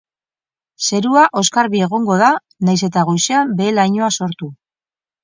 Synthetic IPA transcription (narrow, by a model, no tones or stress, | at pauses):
se̞ɾuaʔo̞skaɾβie̞ɣ̞o̞ŋɡo̞ð̞a | najse̞t̪aɣ̞ojsiambe̞ːlajɲo̞aso̞ɾt̪u